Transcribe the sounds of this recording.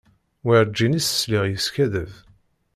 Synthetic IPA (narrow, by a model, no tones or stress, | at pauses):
wiɾd͡ʒːinisə̥sliʁjəskæðəv